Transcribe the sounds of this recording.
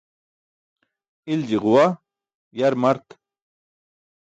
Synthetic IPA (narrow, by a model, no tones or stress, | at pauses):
ild͡ʑiʁuwa | jaɾmɐɾt̪